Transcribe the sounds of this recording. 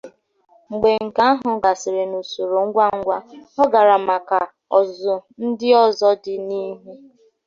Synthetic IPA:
ŋ͡m̩˨ɡ͡be˨ŋ̩˨ka˦a˦ɦʊ˨ɡa˨sɪ˨ɾe˨no˨so˨ɾo˨ŋ̩˦ɡʷa˦ŋ̩˦ɡʷa˦ɔ˦ɡa˨ɾa˨ma˨ka˨ | ɔ˨zʊ˨n̩˦dɪ˦ɔ˦zɔ˦dɪ˦ni˦ɦe˦

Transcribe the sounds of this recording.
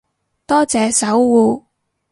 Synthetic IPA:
t̪ɔː˥t͡sɛː˨˧sɐ˨˥wwuː˧

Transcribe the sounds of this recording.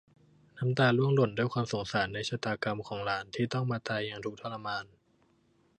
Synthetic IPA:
na˦˥mt̪aː˧lu˥˩əŋlo˨˩ndu˥˩əjkʰwaː˧mso˩˦ŋsaː˩˦nːa˧jsʰaː˨˩t̪aː˧ka˧mkʰɔː˩˦ŋlaː˩˦nt̪ʰiː˥˩t̪ɔ˥˩ŋmaː˧t̪aː˧jːa˧ŋt̪ʰu˨˩k̚t̪ʰa˥˩la˧maː˧n

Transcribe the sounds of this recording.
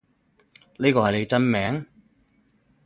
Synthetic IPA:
liː˥kɔː˧hɐ˨˩jle˨˧jt͡sɐ˥nmɛː˨˥ŋ

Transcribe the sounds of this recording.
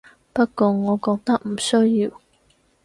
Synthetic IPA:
pɐ˥t̚kɔː˧ŋɔː˨˧kɔː˧k̚t̪ɐ˥k̚m̩˨˩sɵ˥jːiː˨˧w

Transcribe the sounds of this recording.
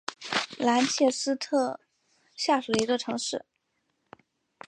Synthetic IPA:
la˧˥nt͡ɕʰjɛ˥˩sɹ̩˥t̪ʰɤ˥˩ | ɕja˥˩ʂu˨˩d̪ə˩i˧˥ɡə˧ʈ͡ʂʰɤ˧˥ŋʂɻ̩˥˩

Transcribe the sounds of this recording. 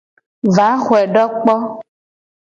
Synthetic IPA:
va˨˦xwɛ˨ɖɔ˦k͡pɔ˦

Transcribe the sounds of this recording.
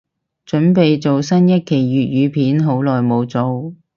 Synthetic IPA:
t͡ʃɵ˨˥npe˨jt͡so˨wsɐ˥njɐ˥t̚kʰe˨˩jɥyː˨t̚jyː˨˧pʰiː˨˥nɦo˨˥wlɔː˨jmo˨˧wt͡so˨˧w

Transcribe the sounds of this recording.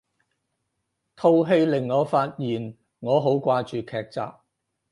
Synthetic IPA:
t̪ʰo˧wɦe˧jlɪ˨˩ŋːɔː˨˧faː˧t̚jiː˨˩n | ŋɔː˨˧ɦo˨˥wkʷaː˧t͡ʃyː˨kʰɛː˧k̚t͡sa̰ː˨p̚

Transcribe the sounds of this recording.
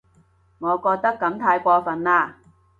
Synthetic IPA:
ŋɔː˨˧kɔː˧k̚t̪ɐ˥kːɐ˨˧˥mt̪ʰaː˧jkʷɔː˧fɐ˨naː˧

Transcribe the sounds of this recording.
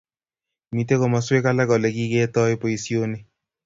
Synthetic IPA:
mi˨te˦kɔ˨ma˨swe˦ka˦la˦ɡɔ˨lɛ˨ɡi˦ɡe˦tɔ˦ɪ˦po˦i˨si˦o˦nɪ˦

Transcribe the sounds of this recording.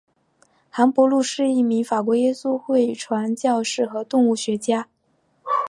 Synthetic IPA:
xa˧˥npwɔ˧˥lu˥˧ʂɻ̩˥˧i˥˩mi˧˥ŋfa˨˩k̬wɔ˧˥jɛ˥su˥xwe˥˩ɪʈ͡ʂʰwa˧˥nt͡ɕjɑ˥˧ʊʂɻ̩˥˩xɤ˧˥t̪ʊ˥˧ŋu˥˩ɕɥɛ˧˥t͡ɕja˥

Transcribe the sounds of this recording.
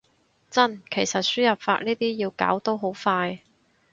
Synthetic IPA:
t͡sɐ˥˩nkʰe˨˩jsɐ˨t̚syː˥jɐ˨p̚fa̰ː˧t̚niː˥t̪iː˥ji˧wka̰ː˨˥wt̪o˥wɦo˨˥wfaː˧j

